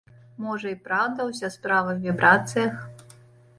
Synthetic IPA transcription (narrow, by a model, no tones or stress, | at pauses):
mɔʐɐipɾawd̪ɐwzʲaspɾavɨxvʲibɾʔat̪sɨjɐx